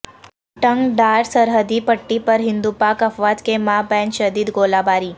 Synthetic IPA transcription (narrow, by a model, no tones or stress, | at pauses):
ʈəŋɡɖaɾsəɾɦəd̪ipəʈːipəɾɦɪnd̪upakəfʋat̪kemabɛ̃nʃəd̪iːd̪ɡolabaɾi